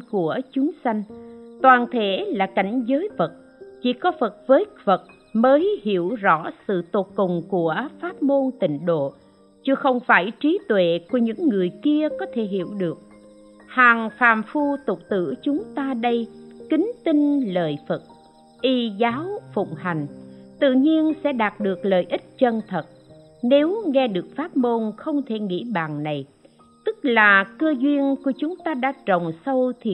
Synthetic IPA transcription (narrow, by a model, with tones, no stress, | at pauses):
ku˧˩ət͡ɕʊ˨˦ŋ͡msa˧jŋ̟t̪waː˨˩nt̪ʰe˧˩laː˨˩ka˧˩jŋ̟zəː˨˦jvə˨˩t̚ | t͡ɕi˧˩kɔ˨˦və˨˩t̚vəː˨˦jvə˨˩t̚ | məː˨˦jhi˧˩əwzɔ̰˧˥sɨ̰˧˨t̪o˨˩kkʊ˨˩ŋ͡mku˧˩əfaː˦˥t̚mo˧nt̪ï˧˨˩ŋ̟ɗo̰˧˨ | t͡ɕɨ˧əxə˧wŋ͡mfaː˧˩jt͡ɕi˨˦t̪wḛ˧˨ku˧˩əɲɨ̰˧˥ŋːɨ˨˩əjki˧əkɔ˨˦t̪ʰe˧˩ɦḭ˧˩əwɗɨ˨˩ək̚ | haː˨˩ŋfaː˨˩mfu˧t̪ʊ˨˩k͡p̚t̪ɨ̰˧˥t͡ɕʊ˨˦ŋ͡mt̪aː˧ɗə˧jkï˨˦ŋ̟t̪i˧nləː˨jfə˨˩t̚ | ʔi˧zaː˨˦wfʊ̰˧˩ŋ͡mha˨˩jŋ̟t̪ɨ̰˧˨ɲi˧ənsɛ̰˧˥ɗaː˨˩t̚ɗɨ˨˩ək̚ləː˨˩jʔï˦˥t̚t͡ɕə˧˩nt̪ʰə˨˩t̚ | ne˨˦wŋɛ˧ɗɨ˨˩ək̚faː˦˥t̚mo˧nxə˧wŋ͡mt̪ʰe˧˩ŋḭ˧˥ɓa̰ː˨nːa˨˩j | t̪ɨ˦˥k̚laː˨˩kəː˧zwi˧ənku˧˩ət͡ɕʊ˨˦ŋ͡mt̪aː˧ɗa̰ː˧˥t͡ɕə˨˩wŋ͡msə˧wt̪ʰḭ˧˩ə